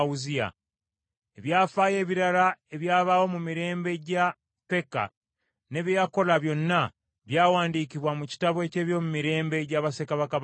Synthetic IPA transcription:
uzia̰ | e̞βjaːfaːje̞ːβiɾalae̞βjaːβawo̞mumiɾe̞ːmbe̞ɟa | pe̞ka̰ | ne̞βjejako̞laβjo̞nːa | βjaːwaːndiːkiβwamuci̥taβwe̞ce̞ːβjo̞ːmumiɾe̞ːmbe̞ɟaβasekaβaka

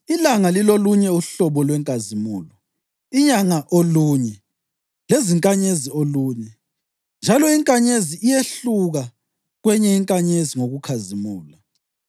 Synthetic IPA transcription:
ilaŋaliloluɲɛuɬɔβɔlwɛŋkʼazimuːlɔ | iɲaŋaʔoluːɲɛ | leziŋkʼaɲezioluːɲɛ | nd͡ʒʱalɔiŋkʼaɲeziijeɬuɣa | ɣwɛɲɛiŋkʼaɲeziŋoɣukʰazimuːla

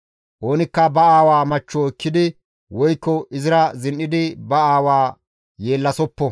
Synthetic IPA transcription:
ʔoːnɪkːɐbɐaːwaːmɐt͡ʃːɔɪkːɪd̪ɪ | wɔjkːɔʔɪzɪɾɐzɪnʔɪd̪ɪbɐaːwaː | je̞ːlːɐsɔpːɔ

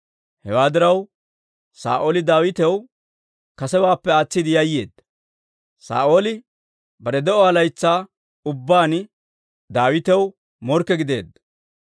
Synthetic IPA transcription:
hɛwaːd̪ɪɾɐw | sa̰ːʔoːlɪd̪aːwɪt̪ɛw | kɐsɛbaːpːɛaːt͡sːɪd̪ɪjɐjːe̞ːd̪ːɐ̥ | sa̰ːʔo̞ːlɪ | bɐɾɛd̪ɛʔɔɐlɐjt͡sːaː | ʊbːaːn | d̪aːwɪt̪ɛw | mɔɾkːɛɡɪd̪e̞ːd̪ːɐ̥

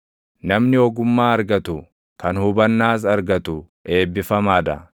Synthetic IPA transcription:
nɐmnɪɔɡʊmːaːɐɾɡɐt̪ʊ | kɐnhʊbɐnːaːs̬ɐɾɡɐt̪ʊ | ʔe̞ːbːɪfɐmaːd̪ɐ̰

